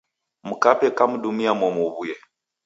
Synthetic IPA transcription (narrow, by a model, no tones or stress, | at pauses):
m̩kapɛkam̩ɗumiamɔmuβujɛ